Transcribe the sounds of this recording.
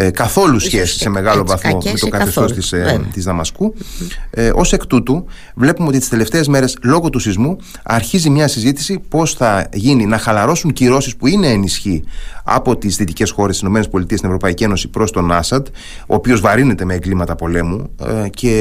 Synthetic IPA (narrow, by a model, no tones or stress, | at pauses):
kɐθo̞lusçe̞si̥se̞me̞ɣɐlo̞vɐθmo̞met̪okɐθeso̞st̪ist̪izðɐmɐsku | ʔo̞se̞kt̪ut̪u | vle̞pumeot̪ist̪i̥st̪ele̞ft̪e̞ːzme̞ɾe̞slo̞ɣo̞t̪usizmu | ɐɾçizimɲɐsizit̪i̥sipo̞sθɐʝininɐxɐlɐɾo̞suɲciɾo̞sispuine̞ːnisçiɐ̰po̞t̪isðit̪ice̞sxo̞ɾest̪isino̞me̞nespo̞lit̪iest̪ineɾo̞pɐicie̞no̞sipɾo̞st̪o̞nɐsɐd̪ | o̞̰ːpio̞zvɐɾine̞t̪e̞meːŋɡlimɐt̪ɐpo̞le̞mucʰe̞